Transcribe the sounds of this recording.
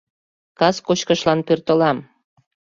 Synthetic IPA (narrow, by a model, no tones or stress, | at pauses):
kɑskot͡ɕkəʃlɑnpørt̪əlɑm